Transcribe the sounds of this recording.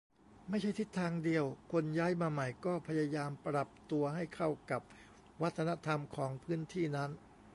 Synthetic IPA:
ma˥˩jt͡ɕʰa˥˩jt̪ʰi˦˥t̪ʰːaː˧ŋdi˧əwkʰo˧njaː˦˥jmaː˧ma˨˩jkɔː˥˩pʰa˧ja˧jaː˧mpɾa˨˩p̚t̪u˧ɐɦa˥˩jkʰa˥˩wka˨˩p̚ | wa˦˥t̪ʰːa˧na˦˥t̪ʰa˧mkʰɔː˩˦ŋpʰɯː˦˥nt̪ʰiː˥˩na˦˥n

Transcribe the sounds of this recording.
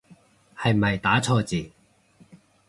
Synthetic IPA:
hɐ˨jmɐ˨jt̪aː˨˥t͡sʰɔː˧t͡siː˨˩

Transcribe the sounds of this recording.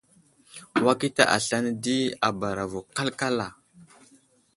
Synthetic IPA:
wa˦ki˦ta̰˦ʔa̰˨ɬa˦n˦di˦a˨ba˨ɾa˨vo˨ka˦lka˦la˨

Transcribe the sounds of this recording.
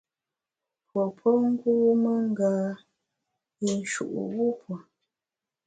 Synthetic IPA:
pwɔ˨pʰɔ˦ŋ̩˦ɡuː˦mə˦ŋ̩˦ɡaː˨ | i˨n̩˨ʃṵ˨ʔṵ˨wu˦pwo˨

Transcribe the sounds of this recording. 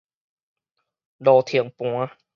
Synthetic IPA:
dɔː˧˩t̪ʰi˧˩əŋpũ˧˦ə˦

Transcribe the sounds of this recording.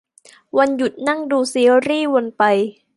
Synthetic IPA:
wa˧nju˨˩t̪̚na˥˩ŋduː˧si˧˦ə˦wɾiː˥˩wo˧npa˧j

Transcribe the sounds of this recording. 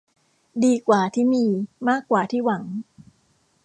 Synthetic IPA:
diː˧kwaː˨˩t̪ʰiː˥˩miː˧maː˥˩kːwaː˨˩t̪ʰiː˥˩wa˩˦ŋ

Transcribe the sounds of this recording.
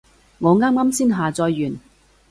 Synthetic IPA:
ŋɔː˨˧ŋaː˥maː˥msiː˥nɦaː˨t͡sɔː˧jːyː˨˩n

